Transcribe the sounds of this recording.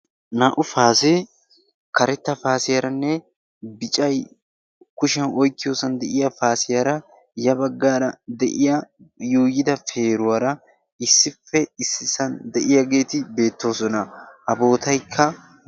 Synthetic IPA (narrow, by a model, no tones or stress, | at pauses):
naːʔʊfaːse | kɐɾɛt̪ːɐfaːsɪjɐɾɐnːɛ | bɪt͡ʃʼɐj | kʊʃɛnɔjkːɪjoːsɐnd̪ɛʔɪjɐfaːsɪjɐɾɐ | jɐbɐɡːaːɾɐd̪ɛ̰ʔɪjɐjuːjɪd̪ɐfe̞ːɾʊwɐɾɐ | ɪsːɪfːɛɪsːɪsɐnd̪ɛʔɪjɐɡe̞ːt̪ɪbe̞ːt̪ːo̞ːsɔnɐɐbo̞ːt̪ɐjkʰːɐ